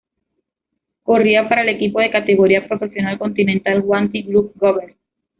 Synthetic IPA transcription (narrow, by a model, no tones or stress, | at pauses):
koriapaɾaelekipoð̞ekat̪eɣ̞oɾiapɾofesjo̞nalkõ̞nt̪inẽnt̪alɣwant̪iɡɾuk̚ɡoβeɾ